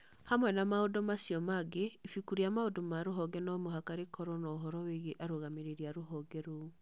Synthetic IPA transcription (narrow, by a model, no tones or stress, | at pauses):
hamwɛnamaodomasiɔmaɡeifikuɾiamaodomaɾoɦɔɡɛnɔmoɦakaɾekʰɔɾɔnɔoɦɔɾɔweɣeʔaɾoɣameɾeɾiaɾoɦɔɡɛɾo